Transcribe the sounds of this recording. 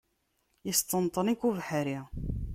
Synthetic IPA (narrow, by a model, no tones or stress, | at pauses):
jəst̪ːənt̪ˤːənikːuvħəɾi